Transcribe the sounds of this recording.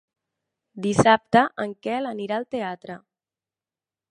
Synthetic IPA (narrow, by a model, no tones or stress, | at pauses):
d̪isap̚t̪əʔəŋkɛləniɾaːlˠt̪eat̪ɾə